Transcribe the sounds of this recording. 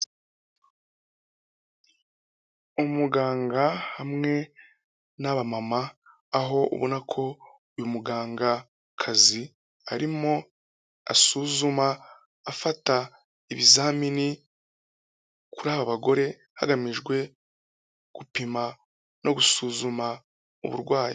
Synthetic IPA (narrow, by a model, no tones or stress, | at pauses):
umuɡaːŋɡahamŋe̞ | naβamamaː | ɦo̞ṵβonakʰo̞ | ujumuɡaːŋɡa | kʰazi | a̰ɾimo̞ | a̰suːzumaː | fata | iβizaːmini | kuɾaːβaβaɡo̞ɾe̞ | ha̰ɡamiʒɡwe̞ | ɡ̥upima | nʔo̞ɡusuːzuma | ṵβṵɾɡwaːjḭ